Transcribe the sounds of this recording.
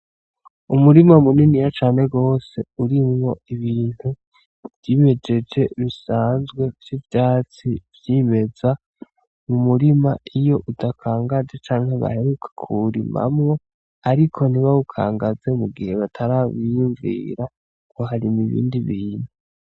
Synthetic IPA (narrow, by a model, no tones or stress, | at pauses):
umuɾimamuninijat͡ʃaːne̞ɡo̞ːse̞uɾimŋo̞iβiːn̥hu | v̥jiːme̞d͡ʒe̞d͡ʒe̞ɾisaːnzɡwe̞vjivjaːt͡sivjime̞za | mumuɾimaʔijo̞ʔudakʰaːŋɡazet͡ʃaːŋheβa̰he̞ɾukʰe̥kʰuɾḭma̰mŋo̞ | aɾikʰo̞n̥iβaukʰa̰ːŋɡaze̞muɡihe̞βatʰaɾaβijuɱvḭːɾa | kʰoɦaɾimiβḭːndiβiːn̥u